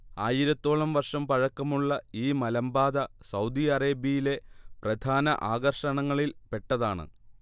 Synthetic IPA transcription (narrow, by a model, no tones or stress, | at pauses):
aːjiɾɐt̪ːo̞ːɭɐmʋɐrʂɐmpɐɻɐkːɐmuɭːɐiːmɐlɐmbaːd̪ɐsɐwd̪iɐreːbijile̞prɐd̪ʱaːnɐʔaːɣɐrʂɐɳɐŋːɐɭilpe̞ʈːɐðaːɳɨ̰